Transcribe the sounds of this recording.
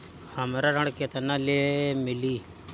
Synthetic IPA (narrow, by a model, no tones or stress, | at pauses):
həmɾaɾəɽ̃ket̪analemɪliː